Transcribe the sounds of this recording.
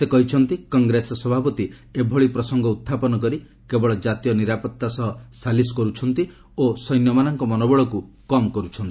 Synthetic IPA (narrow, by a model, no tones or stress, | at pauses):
sekɔɦit͡ʃʰɔnt̪ikɔŋɡɾesɔsɔbʱapɔt̪iebʱɔɭipɾɔsɔŋɡɔut̪ʰːapɔnɔkɔɾi | kebɔɭɔd͡ʒat̪ijɔniɾapɔt̪ːasɔɦɔsalisɔ̥kɔɾut͡ʃʰɔnt̪i | osɔjnjɔmanɔŋkɔmɔnɔbɔɭɔku | kɔmkɔɾut͡ʃʰɔnt̪i